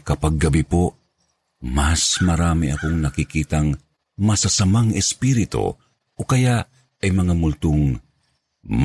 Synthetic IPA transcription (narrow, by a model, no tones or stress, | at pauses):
kɐpaɡːɐbipo | masmɐɾaːmiɐkoŋnɐkɪkiːt̪aŋ | mɐsasamaŋɛspiɾɪt̪o̰ | ʔokɐjaʔ | ɐjmɐŋamʊlt̪oŋ | m